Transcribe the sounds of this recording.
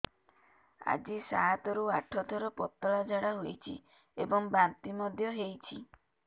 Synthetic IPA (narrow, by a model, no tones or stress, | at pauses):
a̰d͡ʒisaɦat̪ɔɾuaʈʰɔt̪ʰɔɾɔpɔt̪ːɔɭad͡ʒʱaɽaɦojt͡ʃʰḭ | ebɔŋbant̪imɔd̪ʱjɔɦejt͡ʃʰḭ